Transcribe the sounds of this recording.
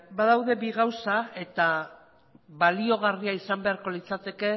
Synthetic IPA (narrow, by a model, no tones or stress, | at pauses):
baðawðe̞biɣawsae̞t̪a | βalio̞ɣ̞ariaisambe̞aɾko̞lit͡sat̪e̞ke̞